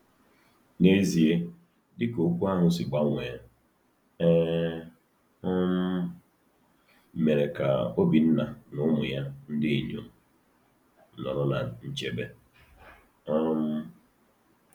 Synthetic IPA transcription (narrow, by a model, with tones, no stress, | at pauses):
ne˦zi˨e˦ | dɪ˦ko˨˦kʷu˦a˦ɦʊ˨sɪ˨ɡ͡ba˦ŋʷeː˨ | ɛ˦ | ɔ˦m̩˦ | me˨ɾe˨ka̰˨o˦bi˨n̩˦na˨nʊ˦mʊ˨ja˦n̩˦dɪ˦i˨ɲo̰˨ | nɔ̰˨ɾɔ˦na̰˨n̩˦˨t͡ʃe˦be˦ | ɔ˦m̩˦